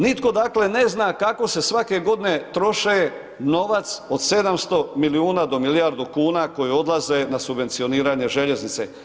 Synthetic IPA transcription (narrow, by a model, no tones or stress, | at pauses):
nit̪ko̞d̪akle̞ne̞znaːkako̞se̞sʋake̞ɡo̞d̪ine̞t̪ɾo̞ʃe | no̞ʋat̪so̞d̪se̞d̪amst̪o̞miliuːnad̪o̞milijaɾd̪ukuːnako̞jio̞d̪lˠaze̞nasubʋent̪sio̞niːɾaɲe̞ʒeʎe̞znit̪sḛ